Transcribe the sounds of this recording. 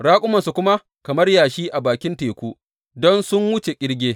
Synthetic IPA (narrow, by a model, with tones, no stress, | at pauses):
ɽaː˦kʷʼʊ˦mɐ˨nsu˨kʷʊ˦ma˦ | kɐ˨mɐ˦rjaː˨ʃiː˦ʔa˨baː˨kʲɪ˦nteː˨kʷuː˦ | dɔ˦nsʊ˦ŋwʊ˦t͡ʃe˨kʲʼɪ˦ɽɡʲeː˦